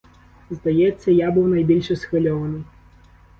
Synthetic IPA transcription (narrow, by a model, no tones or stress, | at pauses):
zd̪ajɛt̪sʲːɐjabɨwnajbʲilʲʂɐsxɨlʲɔvɐnɨ